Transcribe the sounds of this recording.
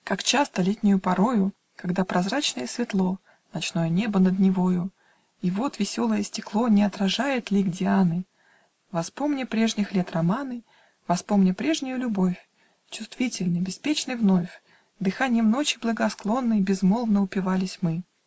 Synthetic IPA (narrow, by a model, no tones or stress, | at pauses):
kakt͡ɕast̪əlʲetʲnʲʊjʊpɐɾo̞jʊ | kɐɡd̪apɾʔɐzɾat͡ɕnəjəsvʲɪt̪lˠo̞ | nɐt͡ɕno̞jənʲe̞bənəd̪nʲɪvojʊ | ivo̞t̪vʲɪsʲo̞lˠəjəsʲtʲɪklˠo̞nʲɪɐt̪ɾɐʐajɪt̪lʲiɡdʲɪanɨ | vɐspomnʲəpɾʲeʐnʲɪxlʲet̪rɐmanɨ | vɐspo̞mnʲəpɾʲe̞ʐnʲʊjʊlʲʊbo̞fʲ | t͡ɕʊst̪vʲitʲɪlʲnəjbʲɪspʲet͡ɕnəjvno̞fʲ | d̪ɨxanʲɪjəmno̞t͡ɕɪblˠəɡɐsklˠo̞nːəjbʲɪzmo̞lˠvnəʊpʲɪvalʲɪsʲmɨ